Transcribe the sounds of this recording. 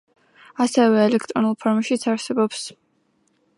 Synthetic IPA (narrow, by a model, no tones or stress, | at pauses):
asɛvɛːlɛkʰt̪ʼɾɔnulˠpʰɔɾmaʃit̪sʰaɾsɛbɔps